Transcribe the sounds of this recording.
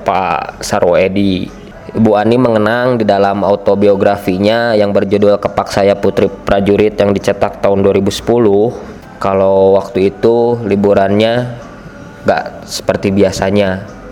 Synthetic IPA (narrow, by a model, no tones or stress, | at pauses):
pa̰saɾoedi | buaniməŋənaŋdidalamaut̪obioɡɾafiɲajaŋbərd͡ʒudʊlkəpaksajaput̪ɾipɾad͡ʒuɾɪt̪jaŋdit͡ʃət̪ak̚t̪aʊnduaɾibusə̥pulʊh | kalowak̚t̪uit̪ulibuɾanɲa | ŋɡa̰ʔ | sə̥pərt̪ibiasaɲa